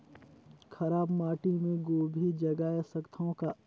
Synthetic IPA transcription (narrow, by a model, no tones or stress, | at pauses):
kʰɐɾaːbmaːʈĩmẽɡoːbʱid͡ʒɐɡaːjasɐkt̪ʰõka